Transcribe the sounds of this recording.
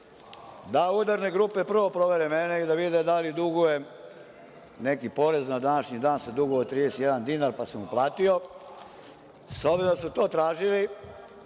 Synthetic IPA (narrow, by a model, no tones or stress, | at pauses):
d̪auːd̪aɾne̞ɡɾuːpe̞pr̩ʋo̞pɾo̞ʋe̞ɾemeneid̪aʋid̪ed̪alid̪uɡuje | ne̞kipo̞ɾe̞znad̪anaʃɲid̪aːnsad̪uɡuot̪ɾiːd̪eset̪jed̪and̪inaɾpasamuplˠaːt̪io̞ | sobed̪asut̪o̞ːt̪ɾaːʒili